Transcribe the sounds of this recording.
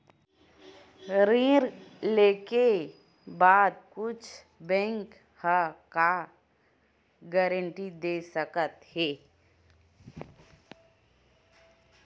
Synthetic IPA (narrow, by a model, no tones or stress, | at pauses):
ɾĩɾleːke | baːd̪̚kʊt͡ʃʰ | bɛ̃ŋk | haka | ɡɛɾəɳʈid̪esəkət̪heː